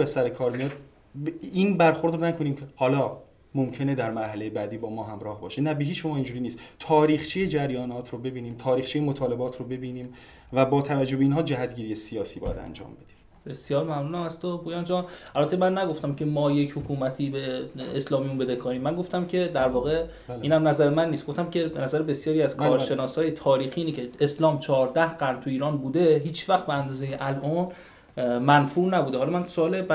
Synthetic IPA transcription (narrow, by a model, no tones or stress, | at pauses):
besæɾekʰɒːɾmijɒd̪ | iːnbæɾxoɾd̪ɾonækʰo̞niːmcʰehɒːlɒː | momcʰe̞ned̪æɾmæɾɦæle̞jebæd̪iːbɒːmɒːɦæmɾɒːhbɒːʃinæbeɦiːt͡ʃːʃomɒːind͡ʒuːɾiːniːst̪t̪ʰɒːɾiːxt͡ʃʰijed͡ʒæɾjɒːnɒːt̪ʰɾobe̞biːniːmt̪ʰɒːɾiːxt͡ʃʰijemot̪ʰɒːle̞bɒːt̪ʰɾobe̞biːniːm | væbɒːt̪ʰævæd͡ʒːobeiːnɦɒːd͡ʒæɦæt̪̚ɟʲiːɾijesijɒːsiːbɒ̰ːjæ̰d̪æ̰nd͡ʒɒ̰ːmbe̞d̪̥i̥m | be̞sjɒːɾmæmnunæmæst̪obʰujɒnd͡ʒɒnʔælbæt̪ʰːemænːæɡo̞ft̪æmcʰe̞mɒːje̞cʰhokʰuːmæt̪ʰiːbe̞ːslɒːmijunmbe̞d̪ekʰoniːmːænɡo̞ft̪æmcʰe̞d̪æɾvɒːɣe̞ | iːnæmnæzæɾemænːiːst̪ɡo̞ft̪æmcʰe̞benæzæɾebe̞sjɒːɾiæzkʰɒːɾʃe̞nɒːshɒːjet̪ʰɒːɾiːxiiːnicʰe̞eslɒːmt͡ʃʰɒːɾd̪æhɢæɾnt̪ʰuiːɾɒːnbuːd̪e̞ɦiːt͡ʃvæxt̪̚beænd̪ɒːzejeʔælʔɒn | mænfuːʔnæbuːd̪eɦɒlɒmænsoːle